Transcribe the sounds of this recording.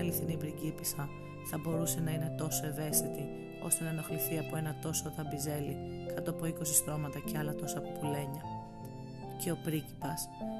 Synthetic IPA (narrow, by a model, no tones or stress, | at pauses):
ɐliθinibɾicipisɐ | θɐbo̞ɾuse̞nɐine̞t̪o̞so̞e̞ve̞st̪it̪i | o̞̰st̪e̞nɐno̞xliθiɐpo̞e̞nɐt̪o̞sot̪ɐbize̞likɐt̪oɐpo̞iko̞sisɾo̞mɐt̪ɐceɐlɐt̪o̞sɐpopule̞ɲɐ | ce̞o̞pɾici̥pɐs